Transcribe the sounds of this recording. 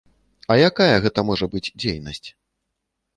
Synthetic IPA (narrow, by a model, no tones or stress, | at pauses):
ɐjakajɐɣɛt̪ɐmɔʐɐbɨd͡zʲd͡zʲejnɐsʲt͡sʲ